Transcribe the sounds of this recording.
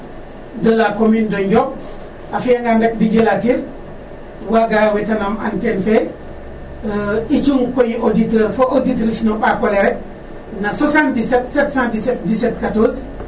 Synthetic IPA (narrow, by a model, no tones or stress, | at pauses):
dəlakomindoɲɟok̚ | afŋɡandek̚diɟelatiɾ | waɡajwetanoma̰ntenfe | it͡ʃuŋkojiʔoditeːɾfoʔoditɾisinoɓakoleɾet̚ | nasosãntisetsetsãntiset̚disetkatoːs